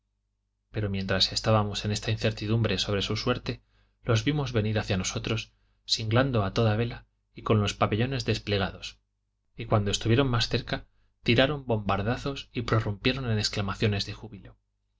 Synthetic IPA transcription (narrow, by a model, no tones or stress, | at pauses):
pe̞ɾo̞mje̞nt̪ɾase̞st̪aβamo̞se̞ne̞st̪ain̟θe̞ɾt̪iðumbɾe̞so̞βɾe̞suswe̞ɾt̪e̞ | lo̞zβimo̞zβe̞niɾaθjano̞so̞t̪ɾo̞s | siŋɡland̪oat̪o̞ðaβ̞e̞la | iko̞nlo̞spape̞ʎo̞ne̞zðe̞sple̞ɣ̞aðo̞s | ikwand̪ost̪uβjeɾo̞nmasθe̞ɾka | t̪iɾaɾo̞mbo̞mbaɾðaθo̞sipɾo̞rumpje̞ɾo̞nenesklamaθjo̞ne̞zðe̞xuβilo̞